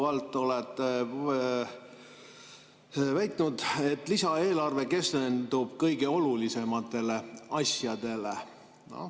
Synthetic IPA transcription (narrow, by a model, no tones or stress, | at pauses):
ɑlt̪ˑːo̞let̪ːˑe | væjt̪ˑnud̪e̞t̪ːˑlisɑe̞ːlɑrve̞ke̞st̪end̪̥ub̥kɤjɡe̞o̞lulise̞mɑt̪ːˑe̞le̞ɑsjɑd̪̥e̞le̞ | no̰